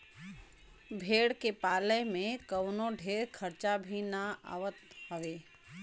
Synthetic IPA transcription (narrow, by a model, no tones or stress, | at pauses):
bʱeːɽkepaːləmẽkəwnoɖʱeːɾkʰəɾt͡ʃabʱinaa̰ːʋət̪ɦəʋeː